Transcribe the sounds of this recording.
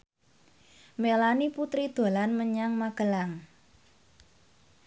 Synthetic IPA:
melaniput̪ɾid̪̥o̤lanməɲaŋmaɡ̥əlaŋ

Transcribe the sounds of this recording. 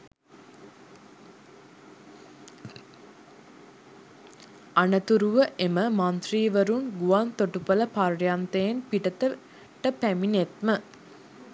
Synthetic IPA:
anət̪uɾuʋəʔeməmant̪riːʋəɾunɡuʋant̪oʈupələpaɾjant̪ejenpiʈət̪ə | ʈəpæminet̪mə

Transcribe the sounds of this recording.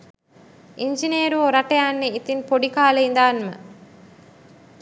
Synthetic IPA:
ʔiɲd͡ʒineːɾuoɾɐʈɐjaːnːeit̪inpoɖikaːlɐind̪aːnmə̰

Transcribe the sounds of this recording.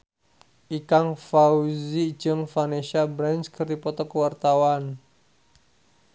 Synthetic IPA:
ʔikaŋfauzi̥d͡ʒəŋfaneʃabɾɛnskərd̪ipɔt̪ɔkəwart̪awan

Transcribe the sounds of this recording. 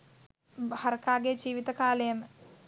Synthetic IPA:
haɾkaːɡed͡ʒiːʋit̪əkaːləjəmə

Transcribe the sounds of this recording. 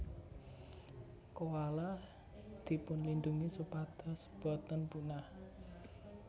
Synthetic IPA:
kowala | d̪̥i̤pʊnlind̪uŋisupad̪̥ɔ̤sb̥ɔ̤t̪ənpunah

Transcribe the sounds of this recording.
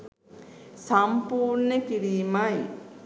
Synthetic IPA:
sampuːɾnəkiɾiːmaj

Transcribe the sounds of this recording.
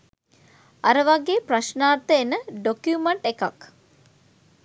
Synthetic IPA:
aɾəʋaɡeːpraʃnaːrt̪əenəɖokjumeɳʈekak

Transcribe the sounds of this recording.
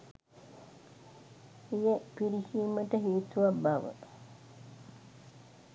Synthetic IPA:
ijepiɾikiːməʈəɦiːt̪uʋabaʋə̰

